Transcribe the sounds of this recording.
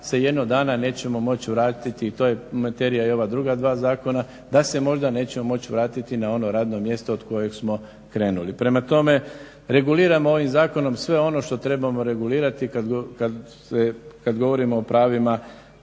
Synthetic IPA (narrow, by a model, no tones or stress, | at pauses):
seje̞d̪noɡ̚d̪aːnane̞ːt͡ɕe̞mo̞mo̞t͡ɕʋɾaːt̪it̪iːt̪o̞je̞mat̪e̞ɾijaio̞ʋad̪ɾuɡad̪ʋaːzaːko̞na | d̪ase̞mo̞ʒd̪ane̞ːt͡ɕe̞mo̞mo̞t͡ɕʋɾaːt̪it̪inao̞no̞ɾaːd̪no̞mje̞st̪ood̪ko̞je̞ɡsmo̞ | kɾe̞ːnulipɾe̞mat̪o̞me̞ | ɾe̞ɡuliːɾamoo̞ʋimzaːko̞no̞msʋe̞o̞no̞ʃt̪o̞t̪ɾe̞bamo̞ɾe̞ɡuliːɾat̪ikaɡka | sekad̪ɡo̞ʋo̞ɾimo̞ːpɾaːʋima